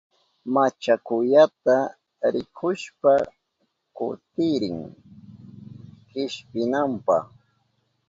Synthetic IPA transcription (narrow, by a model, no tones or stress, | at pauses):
mat͡ʃakʊʎat̪a | ɾɪkʰʊʃpa | kʊ̰t̪ɪɾɪŋ | hɪʃpɪnampɑχ